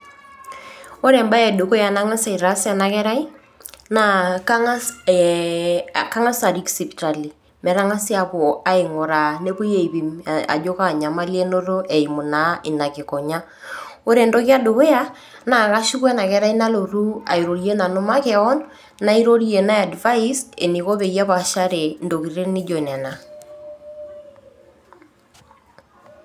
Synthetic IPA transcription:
o˦ɾɛ˨mba˦ɛ˨do˨ko˦ja˨na˦ŋa˦sa˨i˨ɾa˦sja˨na˨kɛ˦ɾa˦i˦ | na˦˨ka˦ | ka˦ŋa˦sa˨ɾi˦ksi˨pta˨li˨ | mɛ˨ɾa˦ŋa˦sja˨po˨a˦ɪ˨ŋo˨ɾa˨ne˦po˦je˨i˨βi˨ma̰˨d͡ʒo˦ka˨ɲa˨ma˦li˦e˦no˦ɾo˦ʔɛ˨i˨mu˨na˦ɪ˨na˨kɪ˨kɔ˨ɲa˦ | o˦ɾe˨ndo˦kja˦do˨we˦a˦ | na˨ka˦ʃi˦kwɛ˦na˨kɛ˦ɾa˦i˦na˦lo˨ɾu˦a̰˨i˨ɾo˨ɾi˦e˦na˨no˦ma˦kɛ˦ɔ˦n | na˦i˦ɾo˦ɾi˦e˨na˦a˨dva˦ise˨ni˨ko˦βe˨ja˦βa˨ʃa˦ɾe˨ndo˨ki˨ɾe˦nɪ˦d͡ʒɔ˨nɛ˨na˨

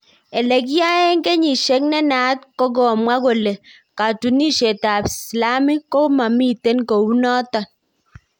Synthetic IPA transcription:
e˨le˨k̬ja˦e˦ŋ˦ke˦ɲi˨ʃe˦k̚nɛ˦na˨˦t̚kɔ˦ɡɔ˨mwa˦ɡo˨le˨ | ka˨tu˨ni˦ʃe˨ta˨bsla˦mi˦kɔ˦ma˨mi˦te˦nko˨wu˦nɔ˦tɔ˨n

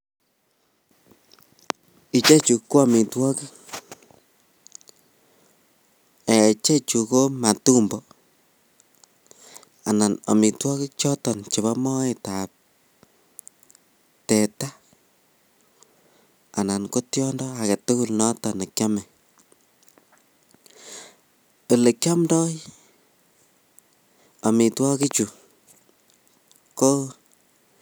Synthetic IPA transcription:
i˨t͡ʃe˦t͡ʃu˧kːo˦a˦mi˨twɔ˦ki˦k | e˨t͡ʃe˦t͡ʃu˨ko˦ma˨tu˦mbɔ˨ | a˨na˨na̰˨mi˨twɔ˦ki˦t͡ʃɔ˦tɔ˨nt͡ʃe˨βa˦mɔ˦e˦tap̚ | tɛ˨ta˦ | a˨na˨nko˦tjɔ˦ndɔakɛ˨tu˦ku˦lnɔ˦tɔne˨kja˦mɛ˨ | o˨le˨kja˦mdɔ˦j | a˨mi˨twɔ˦ki˦t͡ʃu˨ | ko˦

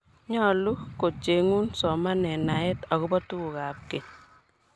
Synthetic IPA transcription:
ɲɔ˦˨lu˦ko˨t͡ʃe˨ŋu˦nsɔ˨ma˦nɛ˨na˨ɛ˦ta˨ɣɔ˦bɔ˦tu˦u˨ka˨p̚ke˨ɲ

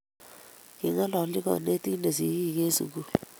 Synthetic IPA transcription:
ki˨ŋa˦lɔ˨˦li˦k̬ɔ̰˨ne˦tʼi˦ne˨zi˨˦ki˦˨k̬e˦sṵ˨k̬u˦

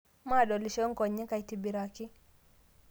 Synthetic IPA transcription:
maɗɔ˨li˨ʃɔ˦ŋkɔ˨ɲːɛ˦ka˨jtibi˨ɾaki˦

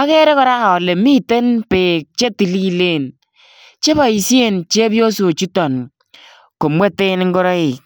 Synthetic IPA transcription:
a˦kɛ˦ɾe˦kɔ˦ɾa˦ha˨le˨mi˦te˦npeː˨k̚t͡ʃe˦ti˨li˦le˦˨n | t͡ʃe˦bɔ˨i˨sje˦nt͡ʃe˦bjo˦so˨t͡ʃu˦tɔ˨n | ko˨mwe˦te˦n˦ŋ˦ɡo˦ɾɔ˦ɪ˨k

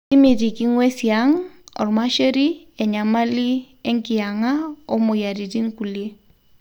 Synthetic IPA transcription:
ti˦mi˨ti˨ki˦ŋwe˦sja˦ŋɔ̰˨rma˦ʃe˦ɾi˦ɛ˨ɲa˨ma˦li˦ | ɛ˦ŋkɪ˨a˨ŋa˦o˦mʊ˨ja˨ɾi˨ti˦nku˨lje˦

